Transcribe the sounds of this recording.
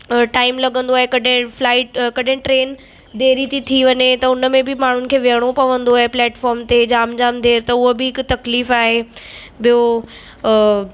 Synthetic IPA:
ʈaːɪmlɐɠə̃nd̪oaːɦekɐɗɪ̃flaːɪʈkɐɗɪ̃ʈɾeːn | d̪eːɾit̪ʰit̪ʰiʋɐɲet̪ɐʊnəmẽbɪmaːɳ̤ʊnɪ̆kʰeːʋɪɦəɽ̃opɐʋə̃nd̪oaːɦeplɛːʈfɔːɾmt̪ed͡ʑaːmd͡ʑaːmd̪ʱeːɾt̪ɐʊɦobɪɦɪkt̪ɐkliːfaːɦe | bijo

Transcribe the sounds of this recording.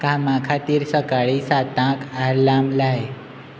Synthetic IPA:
kãmakʰat̪iːɾsəkaɭiːsat̪ãkaɾlamlaj

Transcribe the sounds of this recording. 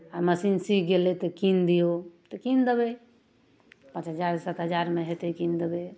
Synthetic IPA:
aməsinsikɡelɛt̪əkind̪ijot̪əkind̪ebe | pə̃t͡ʃɦəd͡ʒaɾsət̪ɦəd͡ʒaɾmeɦet̪ekind̪ebe

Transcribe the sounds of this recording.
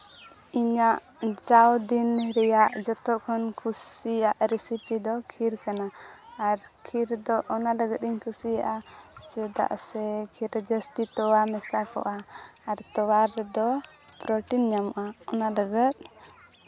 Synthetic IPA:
iɲaʔ | d͡ʒawd̪inɾɛjaʔd͡ʒɔt̪ɔʔkʰɔnkʰusijaʔɾɛsipid̪ɔkʰiɾkanaːɾkʰiɾd̪ɔʔɔnaləɡət̪̚iɲkʰusija̰ʔat͡ʃɛd̪a̰ʔsɛkʰiɾd͡ʒəst̪it̪ɔwamɛsakɔ̰ʔaːɾt̪ɔwaɾd̪ɔ | pɾɔʈinɲamɔʔaɔnaləɡat̪̚

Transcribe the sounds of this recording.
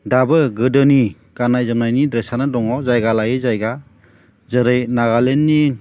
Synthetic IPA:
dabɯɡɯdɯni | ɡanajzɯmnajnidɾesanɯdɔŋɔzajɡalajɯzajɡa | zɯɾɯjnaɡalenːi

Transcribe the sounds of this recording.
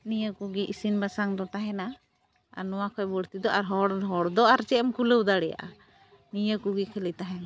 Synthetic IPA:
nijəkuɡiʔisinbasaŋd̪ɔt̪aɦɛna | a̰ɾnɔwakʰɔjbɔɽt̪id̪ɔʔaɾɦɔɽɦɔɽd̪ɔaɾt͡ʃɛmkuləwd̪aɽɛja̰ʔa̰ | nijəkuɡikʰɛlit̪aɦɛna

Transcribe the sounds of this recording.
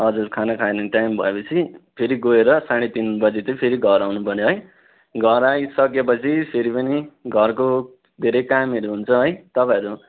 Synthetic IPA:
ʌd͡zuɾkʰanakʰaeneʈajmbʱʌ̰epʌt͡sʰipʰeɾiɡoeɾʌsaɽ̃et̪inbʌd͡zit̪ʌpʰeɾiɡʱʌɾawnupʌrneɦʌj | ɡʱʌɾajsʌkjepʌt͡sʰipʰeɾipʌniɡʱʌrko | d̪ʱeɾʌjkameɾuɦunt͡sʰʌɦʌjt̪ʌpãʌɾu

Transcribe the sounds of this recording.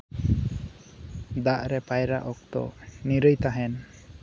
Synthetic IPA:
d̪aʔɾɛpajɾaʔɔk̚t̪ɔ̰niɾəjt̪aɦɛn

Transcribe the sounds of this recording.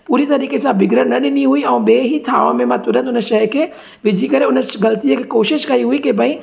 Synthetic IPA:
puːɾit̪ɐɾiːkesãbɪɡɾəɽnɐɗɪniɦuiɐũbeːɦit̪ʰa̰ːʋã̰mẽmãt̪ʊɾə̃nt̪ʊnəʃɐɦkʰe | ʋɪd͡ʒʱikɐɾeʊnəɡɐlt̪ijekʰekoːʃɪʃkɐiɦuikebʱɐĩ

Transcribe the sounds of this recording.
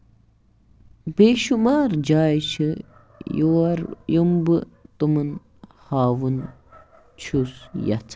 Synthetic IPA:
beːʃumaːɾd͡ʒaːjt͡ʃʰɨ | juɐɾjumbɨt̪umɨn | haːwun | t͡ʃʰusja̰t͡sʰ

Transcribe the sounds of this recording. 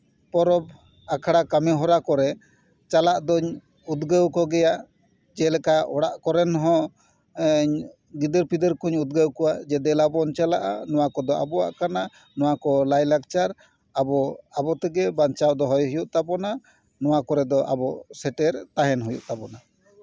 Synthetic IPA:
pɔɾɔb̚ | akʰaɽakamɛɦɔɾakɔɾɛ | t͡ʃalaʔd̪ɔɲ | ud̪ɡəwkɔɡɛjaʔ | d͡ʒɛlɛkaɔɽaʔkɔɾɛnɦɔ̃ | ɲ | ɡid̪əɾpid̪əɾkuɲud̪̚ɡəwkɔwad͡ʒɛd̪ɛlabɔnt͡ʃalaʔa̰nɔwakɔd̪ɔa̰bɔa̰ʔkana | nɔwakɔlajlak̚t͡ʃaɾ | abɔabɔt̪ɛɡɛbant͡ʃawd̪ɔɦɔjɦujuʔt̪abɔna | nɔwakɔɾɛd̪ɔʔa̰bɔsɛʈɛɾt̪aɦɛnɦujṵʔt̪abɔna

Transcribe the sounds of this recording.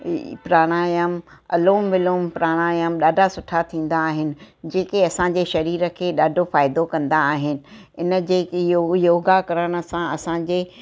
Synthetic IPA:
pɾaːɽ̃aːjəmɐ̰loːmʋɪloːmpɾaːɽ̃aːjəmɗaːɖʱasʊʈʰat̪ʰĩːn̆d̪aːɦɪnɪ̆ | d͡ʑeːkeɐsãɲd͡ʑeːʃɐɾiːɾəkʰeːɗaːɖʱofaːɪd̪okɐ̃nd̪aːɦɪnɪ̆ɪnə̆d͡ʑeːjojoːɡakɐɾəɽ̃ə̆sãɐsãd͡ʑeː

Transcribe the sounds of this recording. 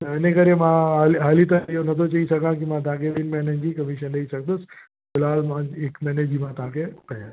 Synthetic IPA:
t̪ɛnekəɾẽmãɦalɦaːlit̪̬ãijonɐt̪ʰot͡ɕaisɐkãkimãt̪̬ɐʋ̤ãkʰeʋɪnmɛnənd͡ʑiːkɐmiʃənɗɐisɐk̚d̪ʊs | bɪlaːlmãekmɛːned͡ʑimãt̪ɐʋ̤ãkʰepɐɦã

